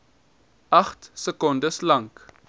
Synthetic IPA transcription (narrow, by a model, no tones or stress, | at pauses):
ɐχtsəkɔndəslɐŋk